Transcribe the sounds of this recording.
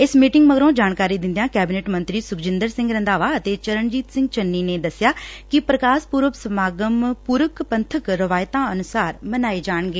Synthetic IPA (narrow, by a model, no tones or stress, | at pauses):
ɪsmiːʈɪŋɡməɡɾõːd͡ʒaːɳkaːɾiːd̪ɪ̃nd̪ejãːkɛːbineːʈmə̃nt̪ɾiːsʊkd͡ʒɪ̃nd̪əɾsɪ̃ŋɡɾə̃nd̪aːʋaːət̪eːt͡ʃəɾəɳd͡ʒiːt̪sɪ̃ŋɡt͡ʃənːiːneːd̪əsɪjaːkɪpɾəkaːspuːɾʋəʋsəmaːɡəmpuːɾəkpənt̪ʰəkɾəʋaːjt̪ãːənʊsaːɾmənaːeːd͡ʒaːɳɡeː